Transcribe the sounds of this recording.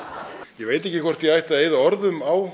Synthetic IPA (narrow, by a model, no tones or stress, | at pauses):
jɛveːjt̪̬ɛhcɪkʰvɔr̥t̪jɛajht̪aðeːjðaɔɾðʏmaw